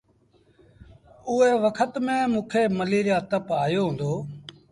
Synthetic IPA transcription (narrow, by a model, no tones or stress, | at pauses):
ʊeːʋəkʰət̪mẽːmũːkʰeːməliːɾjaːt̪əpaːjoːɦʊ̃ːnd̪oː